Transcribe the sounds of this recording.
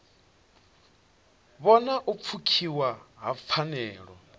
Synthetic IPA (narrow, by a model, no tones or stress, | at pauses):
βɔnaʔup̪fʰukʰiwaɦap̪fʰanɛːɺɔ̰